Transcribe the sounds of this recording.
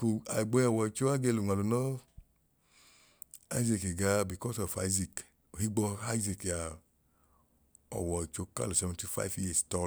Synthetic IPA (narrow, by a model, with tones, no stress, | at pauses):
ko˨a˨i˨ɡ͡bɔ˧˦ɔ˨wɔ˨i˨t͡ʃo˦a˦ɡe˧lu˨ŋʷa˨lo˨nɔ˦ | a̰˦i˦zi˧ke˨ɡa˧bi˨kɔ˦sɔ˨fa˧i˦zi˨k | o˨hi˦ɡ͡bɔ˧a˦i˦zi˨ka˨ | ɔ̰˨wɔ˨i˨t͡ʃo˧ka̰˦lo˨sɛ˧˦vɛ̃˧nti˦fa̰˦i˦fji˦˨stɔ˧